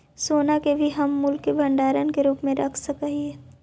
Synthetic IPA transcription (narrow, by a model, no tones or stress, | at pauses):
soːnakebʱiɦɐmːʊlkːebʱɐ̃ɳɖaːɾənkeɾuːpmẽɾɐkʰsəkaɦiɦɛː